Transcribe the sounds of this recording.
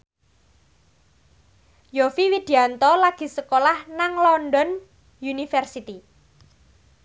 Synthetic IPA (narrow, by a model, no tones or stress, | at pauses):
jɔfiwid̪̥i̤ant̪ɔlaɡ̥i̤səkolahnaŋlɔnɖɔn | junifɛrsit̪i